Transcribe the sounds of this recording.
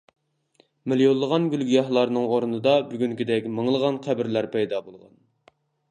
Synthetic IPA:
mɪljolˠːəʁɑnɡʲylɡʲijɑhlˠɑɾnɨŋoɾunɨd̪ɑbyɡʲyŋkʲid̪ɛkʲməŋlˠəʁɑnqʰæbɪɾlæɾpɛjd̪ɑbolˠʁɑ̰n

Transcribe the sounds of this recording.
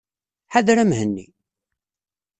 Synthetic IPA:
ħaðɾæmhənːḭ

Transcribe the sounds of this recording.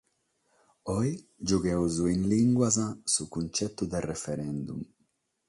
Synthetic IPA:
ɔjd͡ʒuɡɛwzuinliŋɡwazasukunt͡ʃɛt̪ːud̪ɛrɛfɛɾɛnd̪ṵm

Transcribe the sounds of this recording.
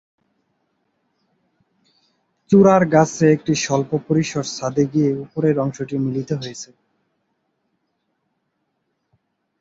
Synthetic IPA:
t͡ɕuɾaɾɡat͡ɕʰeek̚ʈiʃɔlpopoɾiʃoɾsad̪eɡieupoɾeɾɔŋʃoʈimilit̪oɦojet͡ɕʰe

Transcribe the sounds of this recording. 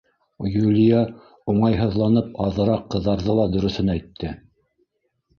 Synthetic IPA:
julʲija | uɴɑjɦɤ̆ðlˠɑnɤp̚ɑðɤ̆ɾɑqːɤ̆ðːɑɾðɤlˠɑd̪ɵ̆ɾɵ̆θɵnæjt̪ʰːɘ

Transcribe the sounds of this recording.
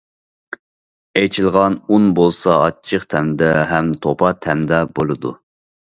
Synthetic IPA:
ejt͡ʃʰilˠʁɑnunbolˠsɑɑt͡ʃʰəqt̪ʰɛmd̪ɛɦɛmt̪ʰopʰɑt̪ʰɛmd̪ɛbolˠɨd̪ṵ

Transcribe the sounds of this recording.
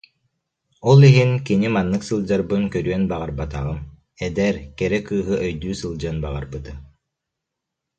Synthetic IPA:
ɔlˠiɦinkinimanːɯksɯlˠd͡ʑaɾbɯnkœɾyœnbaʁaɾbat̪aʁɯm | ɛd̪ɛɾkɛɾɛkɯːɦɯʔœjd̪yːsɯlˠd͡ʑɯnbaʁa̰ɾbɯt̪ɯ

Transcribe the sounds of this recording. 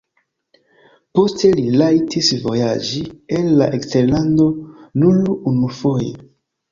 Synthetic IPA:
po̞ste̞lilajtʰisvo̞̰ja̰d͡ʒienla̰ʔekste̞ɾlando̞nulunufo̞jḛ

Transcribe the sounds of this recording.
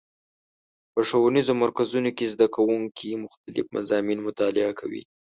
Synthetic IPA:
pəʂawunizomaɾkazunokezd̪akʰawuŋkʰimʊxt̪alɪ̰fma̰zɑminmʊt̪ɑlɪakʰawḭ

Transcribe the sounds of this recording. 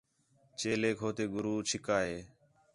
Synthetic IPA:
t͡ʃeːleːkʰoːt̪eːɡʊɾuːt͡ʃʰɪkaːɦeː

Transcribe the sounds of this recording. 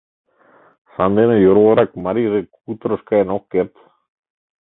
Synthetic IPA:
sand̪enejoɾoɣoɾakmaɾirekut̪ɾoskaenokeɾt̪

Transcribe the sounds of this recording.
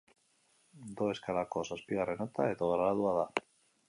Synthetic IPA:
d̪oeskalakosaspiɣarenat̪aet̪oɣɾaaðuaða

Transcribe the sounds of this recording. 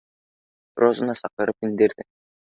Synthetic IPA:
ɾozunɑsɑqɤɾɯpind̪eɾd̪ɪ

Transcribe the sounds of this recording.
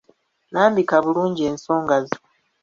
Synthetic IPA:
naːmbikaβuluːɲɟie̞ːnso̞ːŋɡazu

